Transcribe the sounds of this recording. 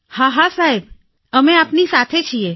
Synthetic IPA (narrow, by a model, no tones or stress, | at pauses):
haɦasaɦeb | əmeapnisat̪ʰet͡ʃʰie